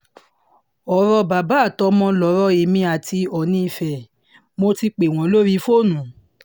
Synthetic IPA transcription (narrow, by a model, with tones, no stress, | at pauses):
ɔ˨˦ɾɔ˧ba˨ba˨˦˨tɔ˧˦mɔ̃˧lɔ˨˦ɾɔ˧˦e˨mĩ˧a˨ti˧ɔ˨nĩ˧i˧˨fɛ˨ | mo˧ti˧k͡pe˨w̃ɔ̃˨˦lo˦ɾi˦fo˦˨nũ˨˦